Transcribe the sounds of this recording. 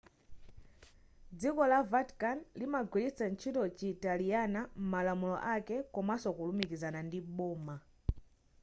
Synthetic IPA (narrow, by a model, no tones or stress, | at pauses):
d͡zikɔlavatkanlimaɡwilisant͡ʃʰitɔt͡ʃitalijanam̩malamulɔ̰ʔakɛkɔmasɔkulumikizanandiɓɔːma